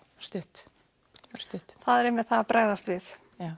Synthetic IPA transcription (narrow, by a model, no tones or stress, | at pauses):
st̪ɪht̪ | st̪ɪt̪θaðɛɾɪmːɛð̥θaapɾʔaːɣðast̪vɪθ